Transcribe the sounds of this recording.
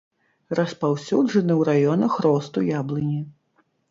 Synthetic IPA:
rɐspawsʲuʐɐnɨwɾajɔnɐxɾɔst̪ujablˠɨnʲi

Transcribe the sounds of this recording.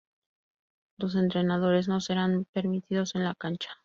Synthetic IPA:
lo̞s̬e̞nt̪ɾe̞nað̞o̞ɾe̞zno̞se̞ɾanpe̞ɾmit̪iðo̞se̞nlakant͡ʃḁ

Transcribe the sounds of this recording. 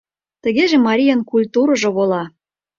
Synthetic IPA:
t̪ə̆ɣeʒĕmɑɾʲijənkulʲt̪uɾɤ̆ʒŏβolɑ

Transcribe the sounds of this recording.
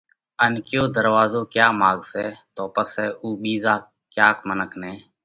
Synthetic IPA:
ənkjõːd̪əɾʋaːzoːkjaːmaːɡsɛːt̪oːpəsɛːʔuːɓiːzaː | kjaːkmənəkʰnɛ̃ː

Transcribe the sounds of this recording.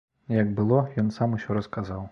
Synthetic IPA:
jɐɡbɨlˠɔjɔnsamusʲɔɾɐskazaw

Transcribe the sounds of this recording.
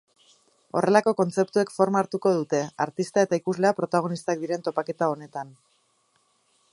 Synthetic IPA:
o̞rʔe̞lako̞ko̞nt͡se̞pt̪ue̞kfo̞ɾmaːɾt̪uko̞ð̞ut̪e̞aɾt̪ist̪ae̞t̪aikuzle̞apɾo̞t̪aɣ̞o̞nist̪ak̚d̪iɾe̞nt̪o̞pake̞t̪ao̞ne̞t̪an

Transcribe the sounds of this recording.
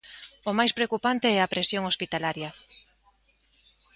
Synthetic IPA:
omajspɾeokupant̪eɛapɾesjoŋospit̪alaɾjɐ

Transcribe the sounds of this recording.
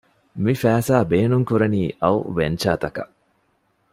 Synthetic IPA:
mifæːsaːbeːnuŋkuɾɐniːʔɐwʋent͡ʃaːt̪ɐkɐʔ

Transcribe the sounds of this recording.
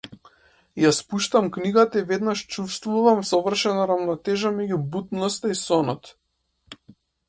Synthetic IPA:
jaspuʃt̪amkniɡat̪aivɛd̪naʃt͡ʃufst̪vuvamsɔvr̩ʃɛnaɾavnɔt̪ɛʒamɛɟubut̪nɔst̪aisɔnɔt̪

